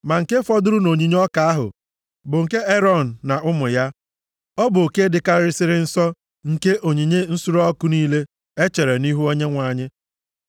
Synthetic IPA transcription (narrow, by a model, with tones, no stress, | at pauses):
ma˨ŋ̩˨ke˦fɔ˦dʊ˦ɾʊ˦no˨ɲi˨ɲ˦ɔ˦ka˨a˦ɦʊ̰˨ | bʊ˨ŋ̩˨ke˦e˦ɾɔ˦˨n̩ː˨a˨ʔʊ˦mʊ˨ja˦ | ɔ˦bʊ˨o˨ke˦dɪ˨ka˦ɾɪ˦sɪ˦ɾɪ˦n̩˦sɔ˦ | ŋ̩˨ke˦ʔo˨ɲi˨ɲe˦n̩˦su˦ɾɔ˦kʊ˦niː˦le˦ | e˦t͡ʃe˨ɾe˨ni˦ɦu˦o˦ɲe˦ŋʷa˨ɲɪ˦